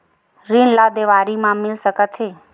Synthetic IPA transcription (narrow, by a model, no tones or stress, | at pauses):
ɾinlad̪eʋaːɾimãmɪlsəkət̪ʰe